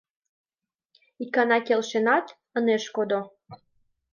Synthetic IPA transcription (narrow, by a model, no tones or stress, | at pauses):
ikɑnɑkelʃenɑt̪ | əneʃkod̪o